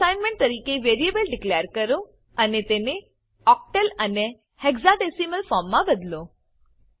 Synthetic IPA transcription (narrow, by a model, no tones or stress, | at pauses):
ajnmẽɳʈ̚t̪əɾiːkeʋeɾiebəlɖɪklejəɾkəɾo | ənet̪ene | ɔk̚ʈələne | heɡzaɖesiməlfɔɾmːãbəd̪lo